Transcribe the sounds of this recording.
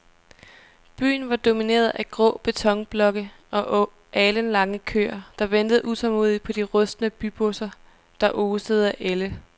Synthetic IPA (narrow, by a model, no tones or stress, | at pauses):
b̥y̰ːn̩ʋɑ̈d̥o̝mine̝̰ːɐð̩ˠʔæɡ̥ʁɔ̰̽ːb̥e̝t͡sʰɒ̽ŋb̥lɒ̽ɡ̥ə | ʔɒ̽ʔ | ʔɛːlənlɑ̈ŋəkʰø̰ːɐd̥ɑ̈ʋend̥əð̩ˠʔusʰɒmo̝̰ːðˠi̥pʰɒ̽d̥iʁɔ̽sd̥nəb̥yb̥osɐ | d̥ɑ̈ʔoːseð̩ˠæʔelə